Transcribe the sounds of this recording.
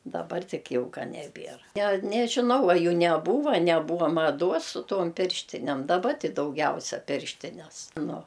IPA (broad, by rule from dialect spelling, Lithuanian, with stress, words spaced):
dɐˈbɐr ˈtʲɪk ˈjɛʊ ˈkɐ nʲɛˈbʲiɛr nʲɛ nʲɛʒʲɪˈnɐʊ ɐ ˈjuː nʲɛˈbuːʋɐ nʲɛˈbuːʋɐ mɐˈduɔs sʊ ˈtuɔm ˈpʲɪrʲʃʲtʲɪnʲɛm dɐˈbɐ ˈtʲɪ dɐʊˈɡʲɛʊsʲɛ ˈpʲɪrʲʃʲtʲɪnʲɛs nʊ